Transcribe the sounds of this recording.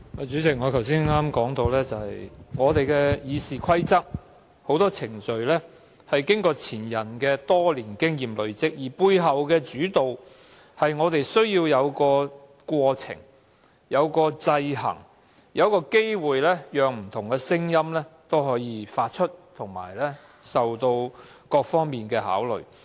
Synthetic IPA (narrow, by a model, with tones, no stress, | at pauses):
aː˨˧t͡ʃy˨˥t͡sɪ˨˥k̚ŋɔː˨˧k̪ʰɐ˨˩ws̬iː˥nŋaː˥mkɔː˨˥ŋt̪o˧wlɛː˥t͡sɐ˨˧hɐ˨jŋɔː˨˧t̪e˨jkɛː˧jiː˨˧siː˨kʰɐ˥jt͡sɐ˥k̚ | ho˨˥wt̪ɔː˥t͡sʰɪ˨˩ŋt͡ʃɵ˨ɥlɛː˥ | hɐ˨jkɪ˥ŋkɔː˧t͡sʰiː˨˩njɐ˨˩nkɛː˧t̪ɔː˥liː˨˩nkɪ˥ŋjiː˨mlɵ˨˧ɥt͡sɪ˥k̚jiː˨˩puː˧jɦɐ˨wkɛː˧t͡ʃyː˨˥t̪o˨w | hɐ˨jŋɔː˨˧t̪e˨jsɵ˥ɥjiː˧wjɐ˨˧wkɔː˧ | kʷɔː˧t͡sʰɪ̰˨˩ŋ | jɐ˨˧wkɔː˧t͡sɐ˧jɦɐ̰˨˩ŋ | jɐ˨˧wkɔː˧ke˥jwuː˨jlɛː˥jœː˨˧ŋm̩˨˩t̪ʰʊ˨˩ŋkɛ˧sɪ˥ŋjɐ˥mlɛː˥t̪o˥wɦɔː˨˧˥jiː˧faː˧t̚t͡ʃʰɵ˥t̚t̪ʰʊ˨˩ŋma̰ː˨˩jlɛː˥ | sɐ˨wt̪o˧w | kɔː˧k̚fɔː˥ŋmiː˨˩nkɛː˧ɦa̰ː˨˥wlɵ̰˨˩ɥ